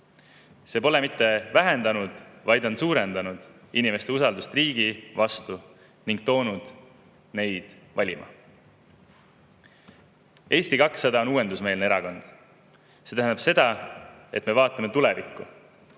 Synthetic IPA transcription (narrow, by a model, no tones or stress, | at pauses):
se̞ːpo̞le̞mit̪ːe̞væɦend̪ɑnud̪̥vɑjd̪o̞nsuːɾe̞nd̪̥ɑnud̪̥ | inime̞st̪e̞usɑld̪ust̪riːɡ̥ivɑst̪u | niŋɡ̥̚t̪o̞ːnud̪̥ | ne̞jd̪̥ | vɑlʲimʔɑ̰ | ʔe̞ːst̪ikɑksːɑd̪ɑo̞nuːe̞nd̪usme̞ːlneeɾɑko̞nd̪̥ | se̞t̪æɦænd̪̥ɑb̥se̞d̪̥ɑe̞t̪me̞vɑːt̪ˑːɑme̞t̪ule̞vikːˑu